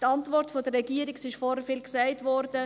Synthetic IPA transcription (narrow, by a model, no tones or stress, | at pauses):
tɑntvɔɾtfodəɾːɛɡiːəɾiksɪʃfɔɾəfɪlksaɪtvɔɾdə